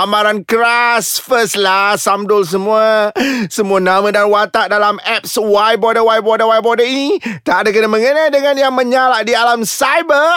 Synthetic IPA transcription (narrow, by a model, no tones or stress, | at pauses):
amaɾankɾasfəslasamdʊls̬əmũasəmũanamãdanwat̪aʔdalamɛp̚swajbɔdəwajbɔdəwajbɔdəinit̪aʔdakənaməŋənajdəŋanjaŋmə̃ɲalaʔdialamsajbə